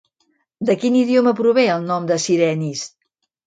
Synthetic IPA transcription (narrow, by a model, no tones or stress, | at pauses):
d̪əkiniðioməpɾuβeəlˠnɔmd̪əsiɾɛnis